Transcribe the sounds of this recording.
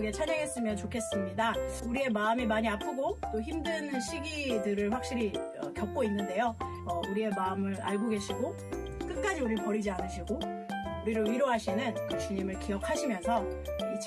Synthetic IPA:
ɡet͡ɕʰaɲaɡe̞s͈ɯmjʌnt͡ɕokʰe̞s͈ɯmɲidauɾie̞maɯmimaɲiapʰɯɡot͈oçimdɯnɕʰiɡidɯɾɯɭɸwak̚ɕ͈iɾi | ʌ̰kjʌp̚k͈oinːɯnde̞jo | ʌuɾie̞maɯmɯɾa̰ɭɡoɡe̞ɕʰiɡo | k͈ɯk̚k͈ad͡ʑiuɾipʌɾid͡ʑianɯɕʰiɡoʌuɾiɾɯiɾoɦaɕʰinɯnɯt͡ɕuɲimɯɭkiʌkʰaɕʰimjʌnsʰʌit͡ɕʰ

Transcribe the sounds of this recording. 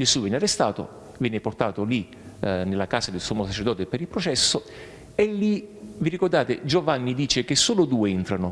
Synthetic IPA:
d͡ʒesuvɛnearːest̪aːt̪o̰ | vjɛːneport̪aːt̪oli | nelːakaːsad̪elsoːmːosat͡ʃeɾrd̪ɔːt̪epeɾilpɾot͡ʃɛsːo | elːiviɾikord̪aːt̪ed͡ʒovanːid̪iːt͡ʃekesːoːlod̪uːeint̪ɾano

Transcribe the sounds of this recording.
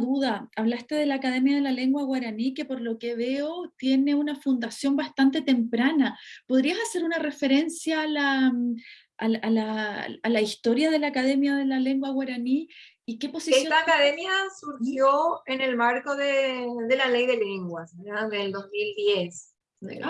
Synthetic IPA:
ðuðaaβlast̪e̞ð̞e̞laːkaðe̞mjaðe̞lale̞ŋɡwaɣwaɾanike̞po̞ɾlo̞ke̞βe̞ot̪je̞ne̞unafund̪asjo̞mbast̪ant̪e̞t̪e̞mpɾanapo̞ð̞ɾiasase̞ɾunare̞fe̞ɾe̞nsjaːlaː | lalaalaist̪o̞ɾjaðe̞laːkaðe̞mjaðe̞lale̞ŋɡwaɣwaɾani | ike̞po̞sisejoaːkaðemjasuɾxjo̞ene̞lmaɾko̞ðeðelalejðeleŋɡwasɾaðeld̪osmild̪jes

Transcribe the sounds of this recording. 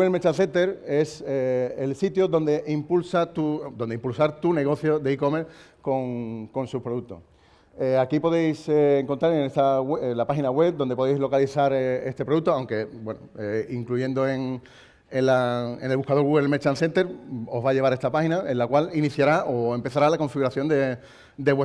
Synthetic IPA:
uɣelmet͡ʃanθe̞nt̪e̞ɾe̞seelsit̪joðo̞nd̪e̞ʔimpulsat̪ud̪o̞nd̪eimpulsaɾt̪une̞ɣ̞o̞θjo̞ðeiko̞me̞ɾ | ko̞ŋko̞nsupɾouk̚t̪o̞̰s | eakipo̞ðe̞jseːŋko̞nt̪ɾaɾenest̪aweelapaxinaɣwe̞p̚d̪o̞nd̪epoðejzlo̞kaliθaɾee̞st̪e̞pɾoðut̪oawŋke̞bwe̞noeiŋkluʝe̞nd̪oe̞ŋ | enlaenelβuhkaðoɣuɣelmet͡ʃanθe̞nt̪e̞ɾo̞zβaʝe̞βaɾe̞st̪apaxinaenlakwaliniθjaɾaʔoe̞mpe̞θaɾalako̞ɱfiɣuɾaθjo̞nd̪e̞ | d̪eβwe

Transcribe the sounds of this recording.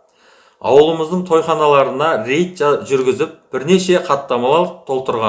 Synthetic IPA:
ɑ̰wəlˠəməzd̪əɴt̪ʰo̞jχɑnɑlˠɑɾənɑɾe̞jt̪ʒʏɾɡʲɪzɪp̚b̥ɪɾne̞ʃe̞qʰɑt̪ːɑmɑlˠɑt̪ʰo̞lˠt̪əɾʁɑn

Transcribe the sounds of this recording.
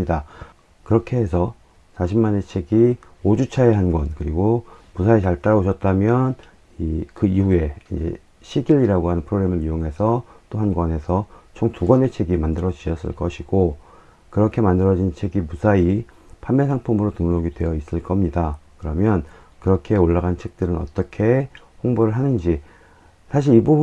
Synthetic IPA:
ida | kɯɾʌkʰe̞ɦesʰʌ | sʰaɕʰimːane̞t͡ɕʰe̞ɡi | od͡ʑut͡ɕʰaeɦanɡwʌnkɯɾiɡomusʰait͡ɕaɭt͈aɾaoɕʰʌt̚t͈amjʌn | ikɯiue̞ind͡ʑe̞̰ | ɕʰiɡiɾiɾaɡoɦanɯnpʰɯɾoɡɾe̞mɯɾijoŋɦe̞sʰʌt͈oɦanɡwanɦe̞sʰʌt͡ɕʰoŋtuɡʌne̞t͡ɕʰe̞ɡimandɯɾʌd͡ʑiɕʌs͈ɯ̰ɭk͈ʌɕʰiɡ̥o | kɯɾʌkʰe̞mandɯɾʌd͡ʑint͡ɕʰe̞ɡimusʰai | pʰamːesʰaŋpʰumɯɾotɯŋnoɡidwe̞jʌis͈ɯɭk͈ʌmɲidakɯɾʌmjʌn | kɯɾʌkʰe̞oɭːaɡant͡ɕʰe̞k̚t͈ɯɾɯnʌ̰t͈ʌkʰe̞ | ɸoŋboɾɯɭɦanɯnd͡ʑi | sʰaɕ̬ʰiɾibub

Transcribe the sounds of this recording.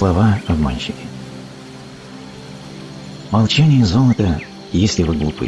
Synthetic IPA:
lˠɐvaɐbma̰nʲɕɪkʲɪ̥ | mɐlˠt͡ɕanʲɪjəzolˠət̪ə | jesʲlʲɪvɨɡlˠupɨ̰

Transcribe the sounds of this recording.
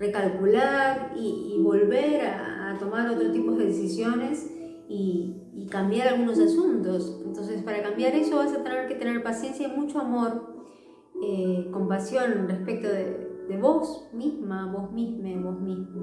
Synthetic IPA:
re̞kalkulaɾiːβo̞lβe̞ɾaːt̪o̞maɾo̞t̪ɾost̪ipozðe̞ðesisjone̞s | iː | kambjaɾalɣuno̞sasunt̪o̞sent̪o̞ns̬espaɾakambjaɾe̞so̞βasat̪ene̞ɾket̪e̞ne̞ɾpasje̞nsjaimut͡ʃoamo̞ɾ | eko̞mpasjo̞nnrespek̚t̪oðeðe̞βo̞smizmaβo̞zmizmeβo̞zmizmo

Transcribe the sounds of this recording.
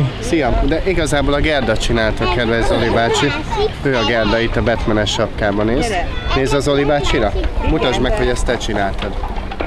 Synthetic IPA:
sijɒmd̪ɛʔiɡɒzaːboːlɒɡɛrd̪ɒt͡ʃinaːlt̪ɒkɛd̪ʋɛʒzo̞libaːt͡ʃi | øːɒɡɛrd̪ɒit̪ɒbɛt̪mɛnɛʃɒpkaːbɒneːzneːzɒzo̞libaːt͡ʃiɾɒmut̪ɒʒmɛkho̞ɟɛst̪ɛt͡ʃinaːlt̪ɒd̪

